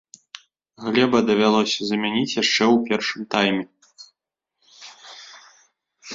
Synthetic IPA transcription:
ɣlʲɛbɐd̪ɐvʲalˠɔsʲɐzɐmʲanʲit͡sʲjaʂt͡ʂɛwpʲɛrʂɨmt̪ajmʲɛ

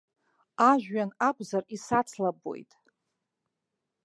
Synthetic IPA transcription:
aʒᶣɥanaɡʷʼzarisat͡sʰlabo̞̰jtʼ

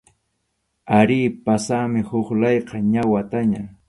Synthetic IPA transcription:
aɾiːpasamɪhʊχlɑjqɑɲawat̪aɲa

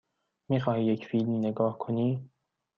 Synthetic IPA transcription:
miːxɒːhiːjecʰfiːlmineɡɒːhkʰoniː

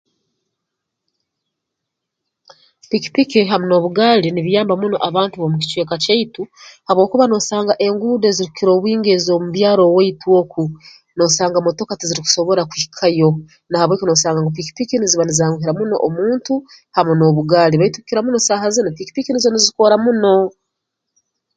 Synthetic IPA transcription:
piki̥pikiɦamuno̞ːβuɡaːliniβjaːmbamuno̞ʔaβaːntuβomuci̥t͡ʃweːkaceituhaβwo̞ːkuβano̞saːŋɡaʔe̞ŋɡuːdeziɾukiɾo̞ːβwiːŋɡe̞zo̞muβjaːɾo̞weitwo̞ku | no̞saːŋɡamotokatiziɾiku̥so̞βo̞ɾakwikʰajo̞ | nahaβweːkono̞saːŋɡaŋɡop̬iki̥pikiniziβanizaːŋɡuhiɾamuno̞̰ʔomuːntu | hamuno̞ːβuɡaːliβaitukiɾamunosahazinopiki̥pikinizoniziko̞ɾamuno̞

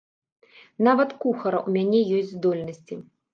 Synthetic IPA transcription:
navɐt̪kuxɐɾɐʔumʲanʲɛjɔsʲtʲd͡zʲzd̪ɔlʲnɐsʲt͡sʲi

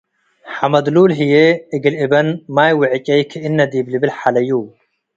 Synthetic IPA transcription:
ħamɐd̪luːlɦijeɨɡɨlɪbɐnmaːjwʊʕɪt͡ʃʼɐjkʰiʔɪnːɐd̪iːblibɪlħalɐjuː

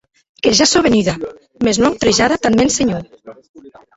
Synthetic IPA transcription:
keʒasoβeniða | meznwawt̪ɾeʒaðat̪anmenseɲo

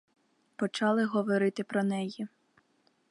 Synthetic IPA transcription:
pɔt͡ʃɑlˠɪɦɔʋɔɾɪt̪ɪpɾɔnɛji

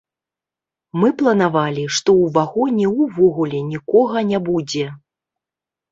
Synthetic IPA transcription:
mɨplˠɐnavalʲiʂt̪ɔwvaɣɔnʲɛwvɔɣulʲɛnʲikɔɣɐnʲabud͡zʲɛ

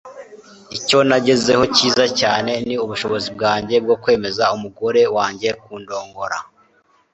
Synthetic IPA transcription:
ico̞naɟe̞zeho̞ciːzacaːne̞niuβuʃo̞βo̞zib̚ɡaːɲɟe̞b̚ɡo̞kwe̞ːme̞zaumuɡo̞ɾe̞waːɲɟe̞kuːndo̞ːŋɡo̞ɾa̰

